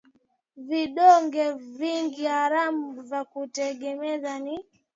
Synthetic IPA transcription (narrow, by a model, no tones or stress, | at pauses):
viɗɔŋɡɛviŋɡihaɾamuvakutɛɡɛmɛzani